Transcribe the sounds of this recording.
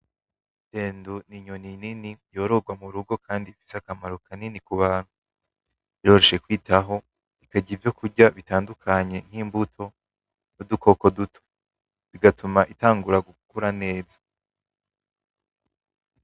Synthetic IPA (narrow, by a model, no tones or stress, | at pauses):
d̥e̞ːnduniɲonininijo̞ːɾo̞ɡwamuɾuɡo̞kʰaːndifi̥seakamaɾo̞kʰaninikuβaːn̥hu | iɾo̞ːɾoʃe̞kwiːtʰaɦo̞ | ikaɟivjo̞kʰuɾɟaβitaːndukʰaɲe̞n̥iːmbutʰo̞ | nudukʰo̞ko̞dutʰo̥ | βiɡatumaʔitaːŋɡuɾaɡukuɾane̞ːzḁ